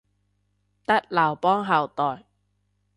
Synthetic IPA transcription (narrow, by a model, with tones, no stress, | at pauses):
t̪ɐ˥t̚lɐː˨˩wpɔː˥ŋɦɐ˨wt̪ɔː˨j